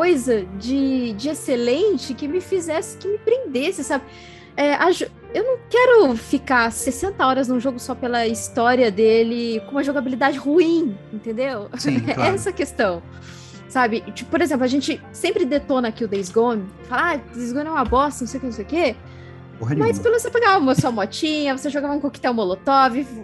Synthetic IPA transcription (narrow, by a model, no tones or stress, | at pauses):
kojzɐd͡ʒɪd͡ʒɪeselẽt͡ʃɪkɪmɪfizɛsɪ̥kɪmɪpɾẽnd̪esɪsabɪ | ɛʔaʒu | ewnɐ̃w̃kɛɾʊfikasesẽnt̪ɐɔɾɐznũʒoɡʊsɔpelɐist̪ɔɾiɐd̪elɪkõũmɐʒoɡabilid̪ad͡ʒɪhuĩẽnt̪ẽnd̪ew̃ɛsɐkest̪ɐ̃w̃ | sabɪt͡ʃipʊpoɾezẽmplʊɐʒẽnt͡ʃɪ | sẽmpɾɪd̪et̪onɐakiʊd̪ejzɡõnʊfalad̪ejzɡõnɛɛ̃mɐbɔst̪ɐnũsejwkenũsejʊke | ommɐspelvosepeɡaũmɐsuɐmɔt͡ʃĩɲɐvoseʒoɡavɐũkoki̥t̪ɛw̃molot̪ɔvɪ